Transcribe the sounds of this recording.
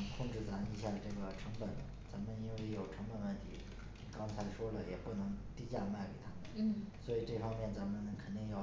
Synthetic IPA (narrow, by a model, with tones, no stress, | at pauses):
kʰʊ˥˧ŋʈ͡ʂɻ̩˥˩t͡sa˧˥ni˧˥ɕja˥˩ʈ͡ʂɤ˥˩ɡə˩ʈ͡ʂʰɤ˧˥ŋpə˨˩˦n | t͡sa˧˥nmə˧ni˥nwe˥˩ɪjo˨˩ʊʈ͡ʂʰɤ˧˥ŋpə˨˩nə˧t̪ʰḭ˨˩˦ | kɑ˥ŋt͡sʰa˧˥ɪʂwɔ˥lə˨jɛ˨˩pu˥˩nɤ˧˥ŋt̪i˥t͡ɕja˥˧ma˥˩ke˨˩ɪt̪ʰa˥mə˨˩˦swɔ˧˥i˨˩ʈ͡ʂɤ˥˩fɑ˥ŋmjɛ˥˩nt͡sa˧˥nmə˧n˩kʰə˨˩nt̪i˥˧ŋjɑ˥˩ʊ